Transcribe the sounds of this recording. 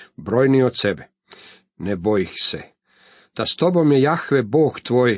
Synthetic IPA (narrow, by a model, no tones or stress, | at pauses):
bɾojniot̪sebɛ | nebojixse | d̪̥ast̪obo̞mjejaxʋeboːɡt̪ʋoːj